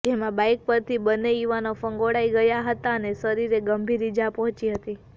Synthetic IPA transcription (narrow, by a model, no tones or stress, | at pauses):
d͡ʒemãbajk̚pəɾt̪ʰibənːejuʋanofəŋɡoɽaiɡəjaɦət̪anesəɾiɾeɡəmbʱiɾid͡ʒapəɦt͡ʃiɦət̪i